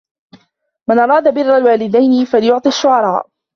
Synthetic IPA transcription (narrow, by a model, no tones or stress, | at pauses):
manʔɑɾˤɑːd̪abɪrːalwaːlɪd̪ajnɪfalɪjʊʕt̪ˤiaʃːʊʕɑɾˤɑːʔ